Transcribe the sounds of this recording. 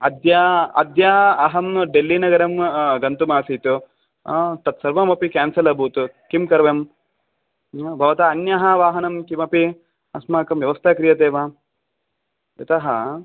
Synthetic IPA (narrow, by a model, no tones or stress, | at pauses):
ɐd̪jaɐ̰d̪jaːɐɦɐmɖelːinɐɡɐɾɐmɡɐnt̪umaːsiːt̪u | t̪ɐt̪sɐɾʋɐmɐpikaːnsɐlɐbʱut̪ukimkɐɾʋɐm | bʱɐʋɐt̪aːnjɐɦɐʋaːɦɐnɐmkimɐpi | ɐsmaːkɐmʋjɐʋɐst̪ʰɐkɾijɐt̪eːʋaː | jɐt̪ɐɦɐ